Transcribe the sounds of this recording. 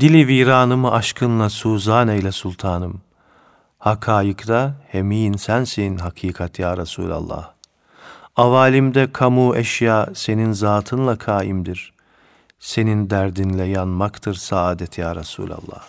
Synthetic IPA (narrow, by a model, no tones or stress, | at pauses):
d̪̥ilʲiviːɾaːnɯmɯʔaʃkʰɯnlˠasuːzaːnɛjlʲɛsulˠt̪ʰaːnɯm | hakʰaːjɯkd̪ahemijinsænseninɦakʰiːkʰat̪ʰjaːɾasṵːlʲa̰lˠːa̰h | avaːlʲimd̪ɛkʰamuːʔɛʃjaːse̞ninzaːt̪ʰɯnlˠakʰaːjimd̪iɾ̥ | se̞nind̪æɾd̪inlʲɛjanmakt̪ʰɯɾsaaːd̪ɛt̪ʰjaːɾasṵːlʲa̰lˠːa̰h